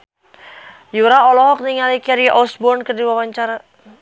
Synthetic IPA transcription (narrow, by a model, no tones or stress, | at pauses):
juɾaɔlɔɦɔk̚niŋalikɛɾiʔɔsbɔrnkərdiwawaɲt͡ʃaɾa